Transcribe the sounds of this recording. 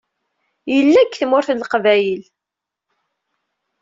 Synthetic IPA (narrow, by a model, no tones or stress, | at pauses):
jəlːækːθmʊɾθlːqvæjəl